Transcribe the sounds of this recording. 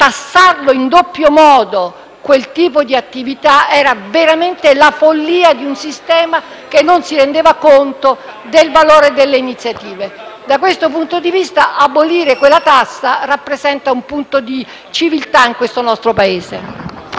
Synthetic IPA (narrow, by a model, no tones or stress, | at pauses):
t̪asːarloind̪opːjomɔːd̪o | kwelt̪iːpod̪iat̪ːivit̪aɛːɾaveɾament̪elafolːiːad̪iunsist̪ɛːma | kenːonsiɾend̪eːvakont̪o | d̪elvaloːɾed̪elːeinit̪sːjat̪iːved̪akwest̪op̬unt̪od̪ivist̪aʔabːoliːɾekwelːat̪asːarapːɾezɛnt̪aumpunt̪od̪i | t͡ʃivilt̪aiŋkwest̪onɔst̪ɾopaeːsḛ